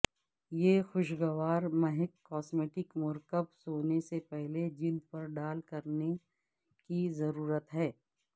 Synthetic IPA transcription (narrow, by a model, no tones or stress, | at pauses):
jeːxʊʃɡəʋaːɾmɐɦɪkːɔːsmeːʈɪkmʊɾkəbsoːnesepɛɦled͡ʒɪld̪̚pɐɾɖaːlkɐɾne | kizɐɾuːɾət̪ɦɛː